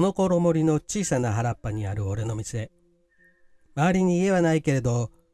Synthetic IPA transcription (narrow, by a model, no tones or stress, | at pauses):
no̞ko̞ɾo̞mo̞ɾʲino̞t͡ɕiːsanaɦaɾapːaɲ̟iaɾɯ̟o̞ɾe̞no̞mʲise̞ | maːɾʲiɲ̟iːe̞βanaike̞ɾe̞d̪o̞